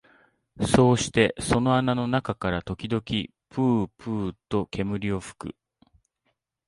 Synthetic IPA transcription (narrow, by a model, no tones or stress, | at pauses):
so̞ːɕi̥t̪e̞so̞no̞anano̞nakakaɾat̪o̞kʲid̪o̞kʲi | pɯ̟ːpɯ̟ːt̪o̞kʰe̞mɯ̟ɾʲio̞ɸɯ̥kɯ̟̰